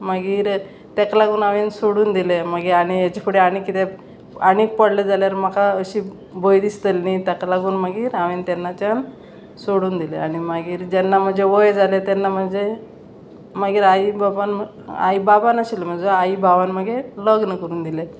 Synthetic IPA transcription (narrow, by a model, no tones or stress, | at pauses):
maɡiːɾ | t̪ɛklaɡuːnaʋensoɽuːnd̪ileməɡiɾaɽ̃ijat͡ɕekʰuɽiaɽ̃ikːit̪e | aniːk̚pəɽled͡zaljaɾm̤akaəɕiː | bʱojd̪ist̪əlnit̪ɛklaɡuːnməɡiːɾaʋent̪ɛnːat͡ɕan | soɽuːnd̪ilḛaɽ̃imaɡiːɾd͡ʑɛnːam̤əd͡zʱeʋojd͡zalet̪ɛnːam̤ənd͡ze | məɡiːɾaibaban | a̰ibabanəɕilm̤əd͡zəaibʱaʋanməɡʱeləɡnəkəɾuːnd̪ilet̪